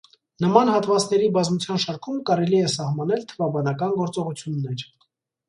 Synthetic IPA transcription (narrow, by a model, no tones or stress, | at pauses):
nəmɑn̪hɑt̪vɑt͡snɛɾibɑzmut͡sʰjɑnʃɑɾkʰumkɑɾɛliɛsɑhmɑnɛlt̪ʰəvɑbɑnɑkɑnɡɔɾt͡sɔʁut͡sʰjunːɛɾ